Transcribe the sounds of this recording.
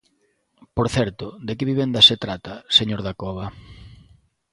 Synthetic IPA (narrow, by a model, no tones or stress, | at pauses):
poɾθɛɾt̪ʊd̪ekɪβiβ̞end̪aset̪ɾat̪aseɲoɾðakɔβa